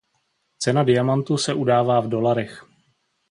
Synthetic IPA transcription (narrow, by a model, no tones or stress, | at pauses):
t͡sɛnadɪjamant̪usɛʔudaːvaːvdo̞laɾɛx